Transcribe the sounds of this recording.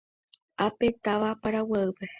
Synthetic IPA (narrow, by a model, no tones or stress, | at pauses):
apet̪aʋapaɾawaɨpe